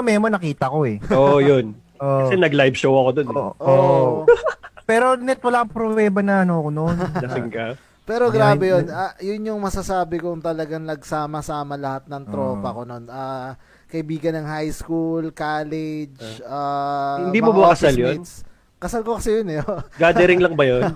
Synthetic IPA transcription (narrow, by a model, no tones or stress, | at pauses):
mɛːmonɐkiːt̪ɐko̞ɛojon | ʔoʔɐsɛnɐɡlajbʃowɐkod̪onʔo | pɛːɾo̞nɛt̪̚wɐlaːʔŋpɾovɛːbɐnɐɐnoɐkononlɐsɪŋkɐ | pɛːɾo̞ɡɾaːbɛjonɐjʊnjʊŋmɐsɐsaːbɪkʊŋt̪ɐlɐɡaŋlɐɡsaːmɐsaːmɐlɐhat̪̚nɐŋt̪ɾo̞ːpɐko̞no̞nʔaː | kɐʔɪbiːɡɐnːɐŋhajskulkaːlɛd͡ʒʔahɪnd̪immobɐkɐsaljons | kɐsalkokɐsɛjonɛɡaːd̪ɛɾɪŋlɐŋbɐjon